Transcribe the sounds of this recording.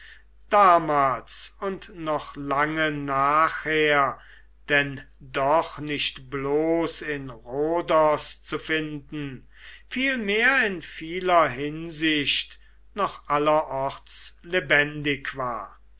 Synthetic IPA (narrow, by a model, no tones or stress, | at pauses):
d̥aːmaːlsʊntnɔχlaŋənaːχheːɐ | d̥ɛn | dɔχnɪʃtbloːsɪnʁoːdɔst͡sufɪndn̩ | fiːlmeːɐɪnfiːlɐɦɪnzɪʃt | nɔχʔalɐʔɔʁtslebɛndɪkv̥aːɐ